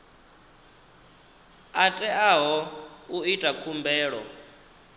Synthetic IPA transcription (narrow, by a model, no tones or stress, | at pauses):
atʼɛaɦɔuitʼakʰumbʱɛːɺɔ̰